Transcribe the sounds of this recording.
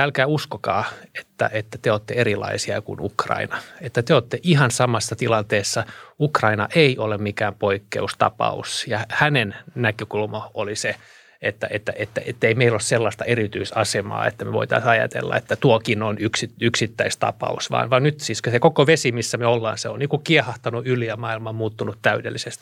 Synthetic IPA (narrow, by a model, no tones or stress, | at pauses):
æːlkæːuskokɑ̰ːe̥t̪ːæ̰ʔet̪ːæt̪eoːt̪ːeerilɑ̰isiɑkṵnṵkrɑ̰inɑet̪ːæt̪eoːt̪ːeʔihɑnsɑmɑsːɑt̪ilɑnt̪eːsːɑukrɑinɑʔeiolemmikæːmpoikːḛust̪ɑ̰pɑ̰ṵsjɑhænennækøkulmɑolise | et̪ːæ̰ʔet̪ːæ̰ʔet̪ːæʔet̪ːeimeilosselːɑst̪ɑerit̪yisɑsemɑ̰ːḛt̪ːæmeʋo̰it̪ɑ̰isɑjɑ̰t̪ḛlːɑ̰ḛt̪ːæt̪uokinonyksityksit̪ːæist̪ɑ̰pɑ̰usʋɑ̰ːnʋɑnnyt̪siskøsekokoʋesimisːæmeolːɑ̰ːnseonniːkukiehɑht̪ɑnuylijɑmɑilmɑmuːt̪ːunut̪t̪æydelːisest̪i